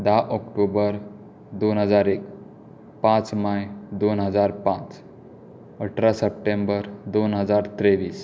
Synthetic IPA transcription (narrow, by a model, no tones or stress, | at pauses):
d̪aʔɔkʈobəɾ | d̪onɦəd͡zaɾek | pãt͡smajd̪onɦəd͡zaɾpãt͡s | əʈʰɾasəp̚ʈembəɾd̪onɦəd͡zaɾt̪ɾeʋiːs